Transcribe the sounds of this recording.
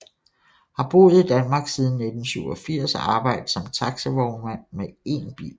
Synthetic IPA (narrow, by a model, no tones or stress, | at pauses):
hɑ̈b̥o̝̰ːð̩ˠid̥ænmɑ̈ːɡ̥siːð̞ˠn̩ːe̝d̥n̩syʊɒfiɐ̰sɑ̈ːb̥ɑ̈ɪ̰d̥̩sɒ̽mt͡sʰɑ̈ɡ̥səʋɒʊnmæn̰mee̝̰nb̥ḭːl